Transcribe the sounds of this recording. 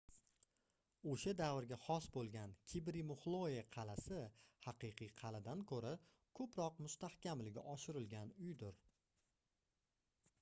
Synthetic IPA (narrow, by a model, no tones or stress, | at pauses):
oʃad̪avɪɾɡʲaχɒsbolˠɡʲankʲʰibɾimʊχlˠoeqʰɑlasɪhɑqɨjqʰɨjqʰɑlad̪ankʰɵɾa | kʰɵpɾɒqmʊst̪ahkʲamlɪɡʲɪ̰ʔɒʃɪɾɪlɡʲanʊjd̪ʊɾ